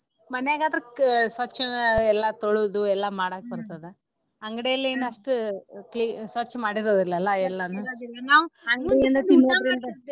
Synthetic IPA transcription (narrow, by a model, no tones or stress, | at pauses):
mɐnjaːɡaːd̪ɐɾsʋɐt͡ʃːɐɛlːaːt̪oɭud̪uɛlːaːmaːɽaːkebɐɾt̪ad̪e | ɐŋɡɐɽejɐlːeenːɐʂʈuklisʋɐt͡ʃːmaːɽiɾoːd̪ilːɐlːɐɛlːanuilːɐnaːɐŋɡɐɽejɐnd̪ɐt̪imoɾind̪ɐ